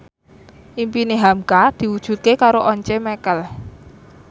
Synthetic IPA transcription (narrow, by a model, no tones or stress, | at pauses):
ʔimpineɦamkad̪̥i̤wud̥ʒ̥ṳt̪̚kekaɾoʔɔɲt͡ʃemɛkəl